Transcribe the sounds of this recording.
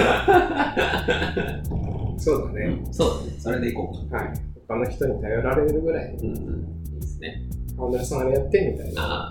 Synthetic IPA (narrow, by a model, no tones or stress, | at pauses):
so̞ːd̪esɨnesoːd̪esnsoɾed̪eikoːkhaḭot̪ːanoçʲi̥t̪o̞ɲ̟it̪ajo̞ɾaɾe̞ɾɯ̟ɡɯ̟ɾai | iːd̪esɨ̥nḛ | anːaɾisãaɾejat̪ːemʲit̪ainaa̰